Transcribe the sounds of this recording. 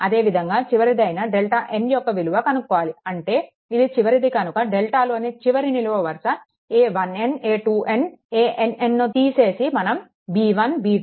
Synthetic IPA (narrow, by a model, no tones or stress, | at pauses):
ɐd̪e̞ːʋid̪ʱɐŋɡaːt͡ʃiʋɐɾid̪ɐjnɐɖelʈaʔenjɔkːɐʋiluʋɐkɐnukːɔʋaːliɐɳʈe̞ː | id̪it͡ʃiʋɐɾid̪ikɐnukɐɖelʈaːloːɐnet͡ʃiʋɐɾiniluʋɐʋɐɾʂɐ | eːʋɐneneːʈuːʔeneːʔenenːot̪iːse̞ːsimɐnɐm | biːʋɐnbiː